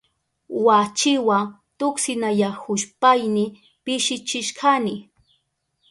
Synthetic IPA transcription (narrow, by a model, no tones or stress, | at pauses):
wat͡ʃɪwa | t̪ʊksɪnajahʊʃpajnɪ | pɪʃɪt͡ʃɪʃkʰanɪ